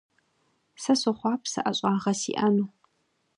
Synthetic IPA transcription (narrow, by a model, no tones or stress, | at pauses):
sɐsoχʷɑːpʰsɐ̰ʔɐɕʼɑːʁɐsḭːʔɐnuː